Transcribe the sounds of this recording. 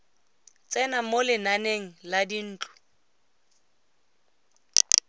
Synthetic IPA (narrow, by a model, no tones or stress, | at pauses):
t͡sʼɛnamolɪnaneŋ̩ladin̩ːt͡ɬʼʊ̥